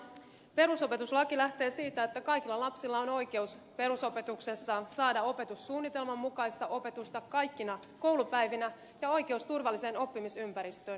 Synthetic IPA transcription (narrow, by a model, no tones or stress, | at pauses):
pe̞ɾuso̞pe̞t̪uslɑkilæht̪e̞ːsiːt̪æet̪ːækɑjk̟ilːɑlɑpsilːɑo̞no̞jke̞uspe̞ɾuso̞pe̞t̪ukse̞sːɑsɑːdɑo̞pe̞t̪usːuːnːit̪e̞lmɑmːukɑjst̪ɑʔo̞pe̞t̪ust̪ɑkɑjkːinɑ | ko̞wlupæjʋinæ | jɑo̞jk̟e̞ust̪urʋɑlːiseːno̞pːimisympæɾist̪øːn